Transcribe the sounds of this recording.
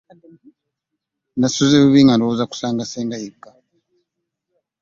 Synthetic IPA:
nasuzeβuβiːŋɡandowozaku̥saːŋɡaseːŋɡajiɡa

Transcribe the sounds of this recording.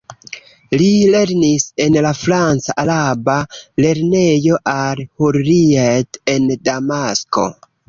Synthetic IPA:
lile̞ɾnise̞nlafɾant͡saʔalabale̞ɾne̞jo̞ʔalhoɾɾiete̞ndamasko̞̰

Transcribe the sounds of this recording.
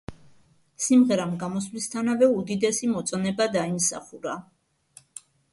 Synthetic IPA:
simʁɛɾamɡamɔslist̪ʰanavɛud̪id̪ɛsimɔt̪sʼɔnɛbad̪aimsa̰χuɾa

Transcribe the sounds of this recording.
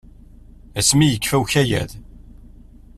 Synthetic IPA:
æsmijəkːfæwçæjæ̰ð

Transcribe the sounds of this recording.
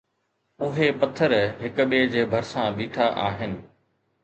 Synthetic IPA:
ʊɦepɐt̪ʰːəɾɦɪkʊ̆ɓeːd͡ʑeːbʱɐɾsãbiːʈʰaʔaːɦɪnɪ̆

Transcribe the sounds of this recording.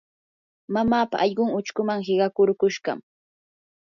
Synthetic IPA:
mamaːpa̰ʔɑʎɢʊŋʊt͡ʃkʊmaŋhɪɢɑkʊɾkʊʃɢɑ̰m

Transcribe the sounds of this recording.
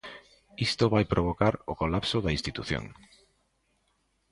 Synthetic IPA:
ist̪oβajpɾʔoβ̞okaɾokolapsoðɐinst̪it̪uθjo̰ŋ

